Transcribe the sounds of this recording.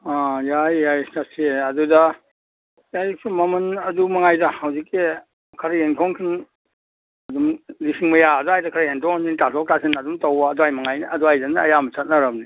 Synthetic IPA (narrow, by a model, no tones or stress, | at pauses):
ajajːajstasʰiɐdudɐ | jajsumɐmɐnɐdumɐŋajdɐhɐwzik̚ːi | kʰɐɾɐjentʰɔŋkʰin | ɐdumlisiŋmɐjaɐduajdɐkʰɐɾɐjentʰɔŋnintatʰɔk̚tasʰinɐdumtawaːduajmɐŋajnɐduajdɐnaɐ̰jamɐt͡ʃʰat̚nɐɾɐmni